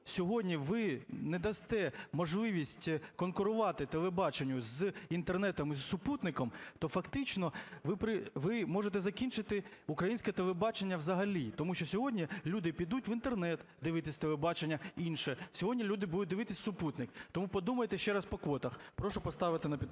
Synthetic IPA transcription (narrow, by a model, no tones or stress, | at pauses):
sʲɔɦɔdʲnʲiʋɪnɛd̪ɐst̪ɛmɔʒlˠɪʋʲisʲtʲkɔnkʊɾʊʋɑt̪ɪt̪elˠɪbɑt͡ʃenʲːʊzint̪ernɛt̪ɔmizsʊput̪nɪkɔmt̪ɔfɐkt̪ɪt͡ʃnɔʋɪpɾɪʋɪmɔʒet̪ɛzɐkʲinʲt͡ʃɪt̪ɪukɾɐjinʲsʲkɛt̪elˠɪbɑt͡ʃenʲːɐwzɐɦɐlʲit̪ɔmuʃt͡ʃɔsʲɔɦɔdʲnʲilʲud̪ɪpʲid̪utʲʋint̪ernɛt̪d̪ɪʋɪt̪ɪsʲt̪elˠɪbɑt͡ʃenʲːɐinʃɛsʲɔɦɔdʲnʲilʲud̪ɪbud̪ʊt̚ʲd̪ɪʋɪt̪ɪsʲsʊput̪nɪkt̪ɔmupɔd̪umɐjet̪ɛʃt͡ʃɛɾɐspɔkʋɔt̪ɐxpɾɔʃʊpɔst̪ɑʋɪt̪ɪnɐpʲi